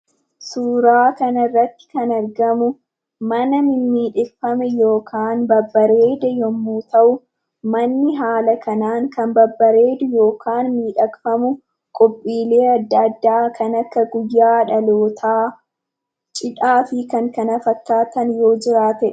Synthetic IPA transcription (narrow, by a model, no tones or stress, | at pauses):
suːɾaːkɐnɐrːɐt̪ːɪ̥kɐnɐɾɡɐmʊ | mɐnɐmɪmːiːᶑɪkfɐmɛjo̞ːkʰaːnbɐbːɐɾeːd̪ɛjɔmːuːt̪ɐʔʊ | mɐnːɪɦaːlɐkʰɐnaːŋkɐmbɐbːɐɾe̞ːd̪ʊjo̞ːkʰaːnmiːᶑɐkfɐmʊ | kʼɔpʼːiːle̞ːɐd̪ːɐɐd̪ːaːkʰɐnɐkːɐɡʊjːaːᶑɐloːt̪ʰaː | t͡ʃʼɪᶑaːfɪkɐŋkɐnɐfɐkːaːt̪ɐnjo̞ːd͡ʒɪɾaːt̪ɛ